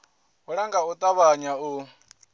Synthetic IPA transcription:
uɺaŋɡaut̪ʼaβaɲau

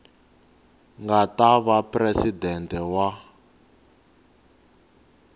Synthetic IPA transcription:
ŋɡataβaprɛsidɛntɛwa

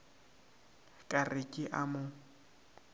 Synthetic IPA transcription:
kʼarɪkʼɪʔamʊ

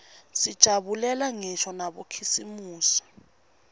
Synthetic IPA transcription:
sid̥ʒ̥ʱaɓulɛlaŋɛʃɔnaɓokʰisimuːsi̥

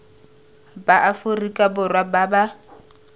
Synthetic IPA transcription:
baʔafʊrikʼabʊrwababa

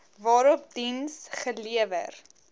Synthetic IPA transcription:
vɑːɾɔp̚dinsχəliəvə̰r

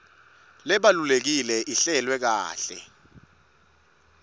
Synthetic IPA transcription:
lɛɓalulek̬ilɛʔiɬɛlwɛk̬a̰ːɬɛ̰

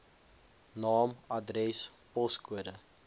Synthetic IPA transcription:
nɑːmɐdrɛspɔskuədə

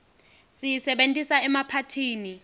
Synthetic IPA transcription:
sijisɛɓentʼisaɛmapʰatʰiːni

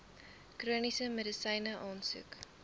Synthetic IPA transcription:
kruənisəmədəsɐjnəʔɑːnsʉ̰k

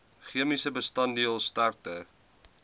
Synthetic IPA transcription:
χiəmisəbəstɐndiəlˠstartə

